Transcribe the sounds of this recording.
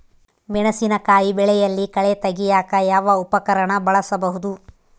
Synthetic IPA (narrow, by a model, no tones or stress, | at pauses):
mɛɳɐsinɐkaːjibɛɭɛjɐlːikɐɭet̪ɐɡijaːkɐjaːʋɐupɐkɐɾɐɳɐbɐɭɐsɐbɐɦud̪u